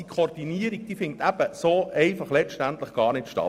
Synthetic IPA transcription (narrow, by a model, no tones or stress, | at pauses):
ikʰoːɾd̥iniəɾiɡ̚d̥iːfɪntæb̥əsoːʔɛɪfɑχlɛt͡ʃʃtænt̪ləχɡ̥ɑːɾnɪtʃtɑ̰